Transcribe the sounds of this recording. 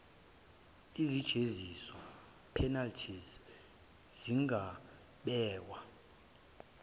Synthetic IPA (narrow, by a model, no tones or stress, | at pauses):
izid̥ʒ̥ʱezisɔ | pʰɛnaltʰiz | ziŋʱa | ɓɛːwa